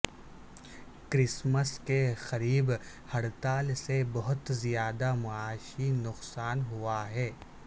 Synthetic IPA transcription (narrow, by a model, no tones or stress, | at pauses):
kɾɪsməskexɐɾiːb | hɐɽt̪aːlsebɐɦʊt̪zijaːd̪amʊaːʃinʊqsaːnɦʊaɦɛː